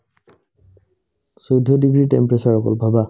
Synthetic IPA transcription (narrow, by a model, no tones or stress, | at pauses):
sɔjdʱɔdiɡɹiʈḛmpɹɛsaɹɔkɔ̰lbʱaba